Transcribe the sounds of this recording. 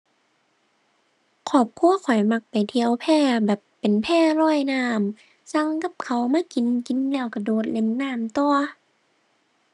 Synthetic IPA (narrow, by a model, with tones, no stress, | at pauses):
kʰɔː˨˩p̚kʰu˧˥˨ɐkʰɔ˨˩jma˧k̚pa˨jt̪ʰi˧əwpʰɛː˧˩bɛː˨˩pːe˨npʰɛː˧˩˨lɔː˧˥˩jnaː˧˩˨m | sa˧˥˨ŋka˧˥˦p̚kʰa˧˩wmaː˧˥˨ki˨˦nki˨˦nlɛː˧˩˨wka˧˩doː˨˦t̪̚le˧˥˩mnaː˧˥˨mt̪ɔː˧